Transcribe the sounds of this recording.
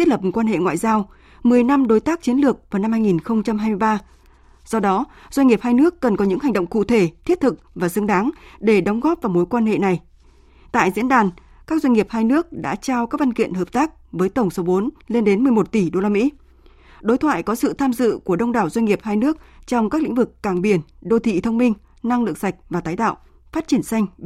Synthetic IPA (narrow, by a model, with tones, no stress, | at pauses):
i˦˥lə˨˩pm˨˩kwaː˧nɦḛ˧˨ŋwa̰ː˧˨jzaː˧w | mɨ˨˩əjna˧mɗo˨˦jt̪aː˦˥k̚t͡ɕi˨˦ənlɨ˨˩ək̚vaː˨˩wna˧mhaː˧jŋi˨˩nxə˧wŋ͡mt͡ɕa˧mhɦaː˧jmɨ˧əjɓaː˧ | z̥ɔ˧ɗɔ˨˦ | z̥wa˧jɲŋi˨˩əp̚haː˧jnɨ˦˥əkːə˨˩nkɔ˨˦ɲɨ̰˧˥ŋhŋ̟ɗə̰˧˨ŋ͡mkṵ˧˨t̪ʰe˧˩t̪ʰi˦˥ət̚t̪ʰɨ˨˩k̚vaː˨˩sɨ˧əŋɗaː˨˦ŋɗe˧˩ɗə˨˦wŋ͡mɣɔ˦˥p̚vaː˨˩wmo˨˦jkwaː˧nɦḛ˧˨na˨˩j | t̪a̰ː˧˨jzḭ˧˥ənɗaː˨˩n | kaː˦˥k̚zwa˧jŋ̟ŋi˨˩əp̚haː˧jnɨ˦˥ək̚ɗa̰ː˧˥t͡ɕaː˧wkaː˦˥k̚va˧nkḭ˧˨ənɦəː˨˩p̚t̪aː˦˥k̚vəː˨˦jt̪ə˧˩wŋ͡mso˨˦ɓo˨˦nle˧nɗe˨˦nmɨ˨˩əjmo˨˩t̚t̪i˧˩ɗo˧laː˧mḭ˧˥ | ɗo˨˦jt̪ʰwa̰ː˧˨jkɔ˨˦sɨ̰˧˨t̪ʰaː˧mzɨ̰˧˨ku˧˩əɗə˧wŋ͡mɗaː˨˩wzwa˧ŋ̟ŋi˨˩əp̚haː˧jnɨ˦˥ək̚t͡ɕɔ˧wŋ͡mkaː˦˥klḭ̟˧˥vɨ˨˩kːaː˧˩ŋɓi˧˩ənɗo˧t̪ʰḭ˧˨t̪ʰə˧wŋ͡mmï˧ŋ̟ | na˧ŋlɨ̰˧˨əŋsa˨˩jk̚vaː˨˩t̪aː˨˦jt̪a̰ː˧˨w | faː˦˥t̚t͡ɕi˧˩ənsa˧jŋ̟